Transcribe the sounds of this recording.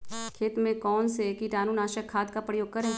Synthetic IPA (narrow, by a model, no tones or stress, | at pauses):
kʰeːt̪mẽkɔːnsekiʈaːnuːnaːʃəkʰːaːd̪kapɾəjoːɡ̚kɐɾɦɛː